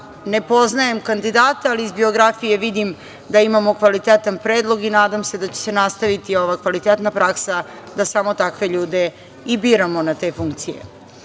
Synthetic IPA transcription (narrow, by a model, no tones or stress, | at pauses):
ne̞po̞znaje̞mkand̪id̪aːt̪aaliːzbio̞ɡɾafije̞ʋid̪im | d̪aimamo̞kʋalit̪et̪anpɾeːd̪lˠo̞ɡinaːd̪amse̞d̪at͡ɕe̥se̞nast̪aʋit̪io̞ʋakʋalit̪et̪napɾaksa | d̪asamo̞t̪akʋe̞ʎuːd̪e̞ | ibiːɾamo̞nat̪e̞fuŋkt̪sijḛ